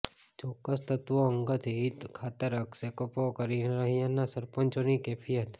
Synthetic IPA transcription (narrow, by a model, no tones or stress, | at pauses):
t͡ʃɔkːəst̪ət̪ʋoəŋɡət̪ʰɦit̪kʰat̪əɾəksekopokəɾiɾəɦijãnːasəɾpənt͡ʃonikepʰijət̪